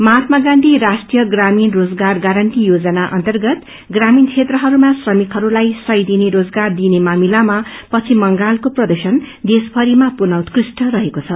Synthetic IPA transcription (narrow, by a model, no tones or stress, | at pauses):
mat̪ʰmaɡanʈ̪iɾasʈrijʌɡraminrod͡zɡarɡaɾʌnʈ̪ijod͡zʌnaʔʌ̰nt̪ʌrɡʌt̪ | ɡramint͡sʰet̪rʌɦʌɾumasrʌmikɦʌɾulajsʌjd̪ineɾod͡zɡard̪inemamilamapʌt͡sʰimʌŋɡalkoprʌd̪ʌsʌnd̪esbʱʌɾimapunawt̪krisʈʌɾʌɦekot͡sʰʌ